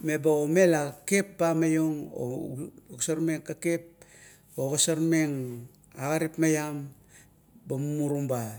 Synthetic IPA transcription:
me̞baome̞lake̞pːamajoŋo̰ksaɾme̞ŋkakep̚ | oɣasaɾmeŋ | aɣaɾipmajam | bamumuɾumba

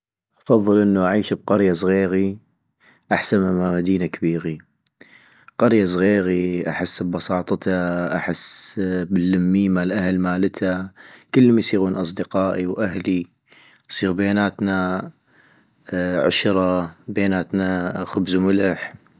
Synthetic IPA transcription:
ʔɑfɑðˤːɨlʔənːuʔaʕiːʃb̚qɑɾjasˤɣeːɣi | ʔaħsanamaːmad̪iːnakabiːɣi | qɑɾjas̬ˤɣeːɣiʔa̰ħɪsːbbɑsˤɑːt̪ˤt̪aʔa̰ħɪsːbɪlːamːiːmalʔahlmaːlɪt̪ʰakɪlːmajsˤiːɣuːnʔɑs̬ˤd̪ɪqɑːʔiwʔaɦli | sˤiːɣbaeːnaːt̪na | ʕʊ̰ʃɾˤɑbeːnaːt̪naxʊbzumʊlɪħ

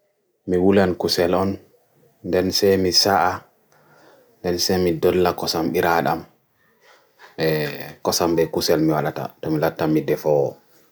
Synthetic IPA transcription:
miwulankusɛlɔn | ndɛnsɛjmisaʔa | ndɛnsɛmidɔlːakɔsamɓiɾaɗam | ɓɛkɔsambɛkusɛlmiwalata̰tɔmilatːamidɛfɔwɔ

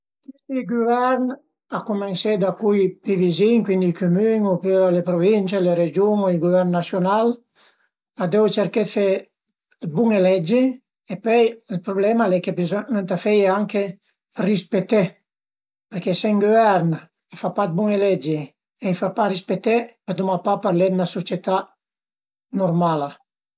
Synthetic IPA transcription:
kiseiɡuvɛɾn | akumensed̪akujpiviziŋkwind̪ikumyŋopyɾalepɾovint͡ʃeleɾed͡ʒuŋoiɡuvɛɾnːasjonal | ad̪ewt͡ʃeɾked̪fe | buŋelɛd͡ʒi | epœjilpɾoblɛmalɛkepisment̪afɛjeaŋke | rispet̪e | peɾkeseŋɡovɛɾn | efapad̪̚buŋelɛd͡ʒe | ejfaparispet̪epad̪umapapaɾlɛd̪nasot͡ʃet̪a | noɾmala

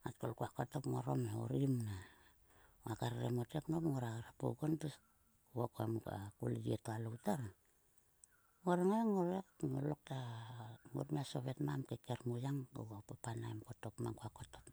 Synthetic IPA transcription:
at̚kolkuakotopŋoɾomeo̰ɾimna | akaɾɾḛmoteknopŋoɾaɣaɾapo̰ɡonpes | wokoamuka̰ko̰liɡietoalowtaɾa | ŋoɾeŋaeŋoɾekŋolok̚ta | ŋo̰ɾmiasoβetmamkekeɾmujaŋɡo̰ɡapapanajmkotopmaŋkuakotop

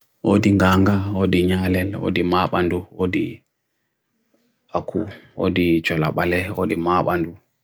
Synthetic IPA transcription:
ʔodiŋɡaːŋɡawodiɲaːlɛlwo̰dimaɓanduwodi | akʰuwo̰dit͡ʃɔlaɓalɛwo̰dimaːɓandu

